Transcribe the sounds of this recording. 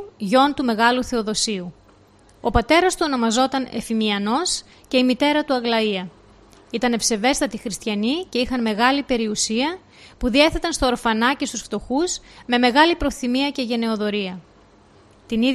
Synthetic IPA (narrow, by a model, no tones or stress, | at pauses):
ʝo̞nt̪ume̞ɣɐluθe̞o̞ðo̞siu | o̞pɐt̪e̞ɾɐst̪uo̞no̞mɐzo̞t̪ɐne̞̰fimiɐno̞s | ce̞imit̪e̞ɾɐt̪uɐɣlɐiɐ | it̪ɐne̞fse̞ve̞st̪ɐt̪ixɾist̪çɐnice̞ixɐnme̞ɣɐlipe̞ɾiusiɐ | puðie̞θe̞t̪ɐnst̪o̞ːɾfɐnɐce̞st̪usft̪o̞xuzme̞me̞ɣɐlipɾo̞θimiɐce̞ʝe̞ne̞o̞ðo̞ɾiɐ | t̪inið